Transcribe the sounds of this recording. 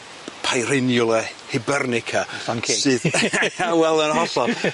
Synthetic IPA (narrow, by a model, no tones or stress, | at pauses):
pʰajɾɪnjʊlˠəhɪbərnɪkʰaanʰsɨðawɛlˠənɦɔɬɔ̥